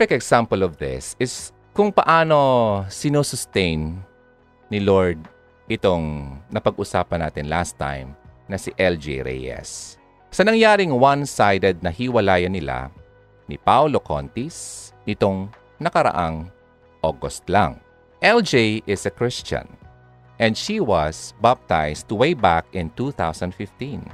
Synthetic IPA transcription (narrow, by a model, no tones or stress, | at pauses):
fɪkɛksampɐlɔvðɪ̰sɪs | kʊŋpɐʔaːno̞sɪnosʊst̪ɛjnː | ɪloɹd̪̚ | ʔɪt̪oŋnɐpɐɡʔʊsaːpɐna̰ːt̪ɪnlast̪ːa̰jmnɐsɪʔɛld͡ʒḛɾɛ̰jɛ̰sː | ɐnɐŋjaːɾɪŋwansajd̪ɛd̪̚nɐhiwɐlaːjɐnːɪla̰ | nɪpawloko̰nt̪isnɪt̪oŋ | nɐkɐɾɐ̰ʔaŋ | ʔoɡost̪la̰ŋ | ʔɛld͡ʒejʔɪsɐkɹɪst͡ʃɐ̰̃n | ʔɛ̃nd̪ʃiwɐsbap̚t̪ajst̪uwejbakɪ̃nt̪uːθawsɐnd̪fɪft̪ĩn